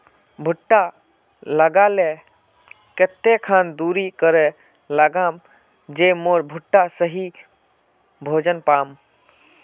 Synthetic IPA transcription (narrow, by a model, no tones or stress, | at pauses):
bʱʊʈːa | ləɡale | ket̪ːekʰand̪uɾikəɾe | ləɡam | d͡ʒemoːɾbʱʊʈːasəɦi | bʱoːd͡ʒənpaːm